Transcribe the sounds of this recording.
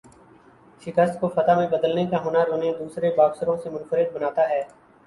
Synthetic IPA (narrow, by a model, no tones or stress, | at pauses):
ʃɪkəst̪̚kofət̪aːmẽbəd̪əlnekaɦoːnaɾoːned̪uːsɾebaːbsəɾõsemʊ̃nfəɾɪd̪̚bənaːt̪aɦɛː